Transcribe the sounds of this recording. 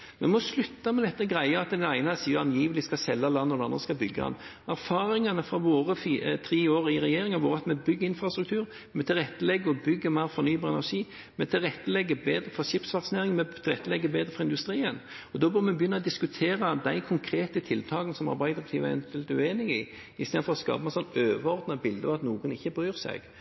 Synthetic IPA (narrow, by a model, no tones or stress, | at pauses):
mɛnmɔslʉt̪ːɑmɛd̪ɛt̪ːəɡɾæɪəɑt̪d̪ɛnæɪnəsiːɑnjiːʋəlɪskɑsɛlːɑlɑnːɔd̪ɛɑnd̪ʁɾəskɑlbʏɡːəɑ̰n | æɾfɑːɾɪŋɑnəfʁɑʋoːɾəfiət̪ʰɾiːoːɾɪɾɛjeːɾɪŋɑʋoːɾɑt̪mɛbʏɡːəɪnfɾʁɑst̪ɾʉk̚t̪ʰʉːɾ | mɛt̪ʰɪlʁɛt̪ːəlɛɡːəɔbʏɡːəmæɪɾfɔɾnyːbɑːɾɛnæɾʂiː | mɛt̪ʰɪlʁɛt̪ːəlɛɡːəbeːd̪ɾəfɔɕɪpsʋɑksɪneːɾɪŋmɛt̪ʰɪlʁɛt̪ːəlɛɡːəbeːd̪ɾəfɾɑɪnd̪ʉst̪ɾiːən | ɔd̪ɔːbœɾmɛbjʏnːɑɔd̪ɪskʉt̪ʰeːɾɑd̪æɪkʰʊŋkʰɾeːt̪ət̪ʰɪlt̪ʰɑːɡənəsɔmæ̰ɾbæɪd̪ɾɑkt̪ʰiːʋɛ̰nt̪ʰɛlt̪ʉeːnɪŋɪ̰ | ɪst̪eːd̪fɔɾɔskɑ̰ːbmɛnsɔnːøːʋəɔɾd̪nɑbɪld̪əɔʋɑt̪nuːɡənɪçːəbɾyːɾsæ̰ɡ̥